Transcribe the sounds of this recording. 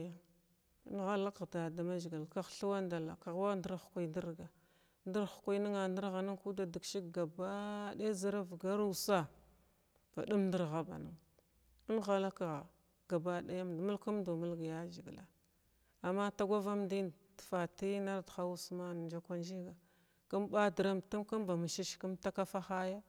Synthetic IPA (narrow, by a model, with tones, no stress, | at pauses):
a˦ | nɣa˦la˦kda˨da˨ma˦d͡ʒi˨ɡi˨lka˨xɬu˦wa˦nda˨la˨ka˨ɣwa˦ndi˦ɾxkʷu˦˨ndi˦ɾɡa˨ | ndə˦ɾxkʷu˦ni˦ŋa˨ndi˦ɾɣa˨ni˦ŋku˦da˨di˨kʃi˦kɡa˨ba˦da˦za˦ɾa˦vɡa˦ɾu˦sa˦ | v̥a̰˨du˦mndi˦ɾɣa˦ba̰˨ni˦ŋ | i˦nɣa˨la˦ka˨ɣ | ɡ̥a˨ba˦da˦ja˦mdmu˦lku˦mdu˨mu˦lɡa˨ja˦d͡ʒi˨ɡla˨ | a˨mːa˦ta˦ɡʷa˦va˦mdi˦ntfa˨ti˦na˦ɾdxa˦wu˦sma˦n˨d͡ʒa˦kʷa˦nd͡ʒi˦ɡa˨ | ka˦mba˦di˨ɾa˦mtu˦mka˦mva˨mi˨ʃi˦ʃki˦mta˦ka˦fa˦xa˦ja˦